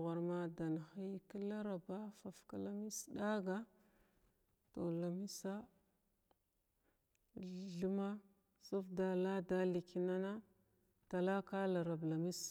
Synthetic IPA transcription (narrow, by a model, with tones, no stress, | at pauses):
ɣa˨ɾma˦da˨na˨xi˦ki˦la˦ɾa˨ba˦fa˨fka˦la˦mi˦sda˦ɡa˦ | to˨la˨mi˦sa˦ | ɮə˦ma˦ | su˦fda˨la˦da˦li˨ki˨˦na˦na˦ | ta˨la˦ka˦la˨ɾa˨bla˨mi˦s